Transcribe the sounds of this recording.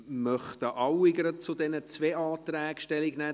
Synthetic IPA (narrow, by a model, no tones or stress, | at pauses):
mœχt̪əʔɑwɪɡəɾət͡sʊdɛnət͡sveːɑːt̪ræːkʃtɛlɪɡnɛː